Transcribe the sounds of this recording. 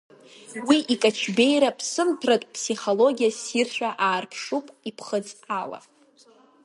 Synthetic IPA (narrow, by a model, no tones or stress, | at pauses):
wiʔikʼat͡ʃʷʰbe̞jɾapʰsɨmtʰratʼpʰsiχo̞lo̞ɡʲijasirʃʷᶣaʔaːrpʰʂupʼipʰχət͡sʼala̰